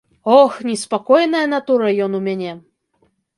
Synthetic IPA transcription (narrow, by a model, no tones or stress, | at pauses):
ɔxnʲispakɔjnɐjɐnat̪uɾɐjɔnumʲanʲɛ